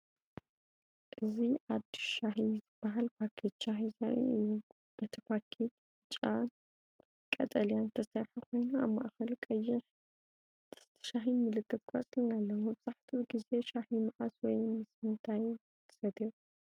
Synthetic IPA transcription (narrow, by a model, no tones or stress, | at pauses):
ʔɨziʔad̪i̥ʃʃaħizɨb̥ːaɦalpʰakʰit͡ʃahia̰ | b̥ɐt̪ʰɐpʰakʰi | t͡ʃʼan | kʼɐ̰t̪ʼɐljant̪ʰɐsɐɾħakʰo̞jnuaβma̰ʔxɐlkʼɐjːɪħ | t̪ʰɐ̥st̪ʰɐ̥ʃaħinmɨlɨkʰːɨt̪̚kʰa̰t͡sʼlnalːɐwubɨz̥aħt̪ʰiɡize̞ʃaħimaʕaswɔjmɨsmɨnt̪ʰaj | t̪ʰɐ̥sɐd̪iu